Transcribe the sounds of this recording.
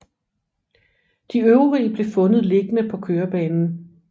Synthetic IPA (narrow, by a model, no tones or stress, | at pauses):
d̥iøʊʁḭːb̥le̝fɔ̽nð̞̩ˠle̝ɡ̥ənəpʰɒ̽kʰøːɐb̥ɛːnn̩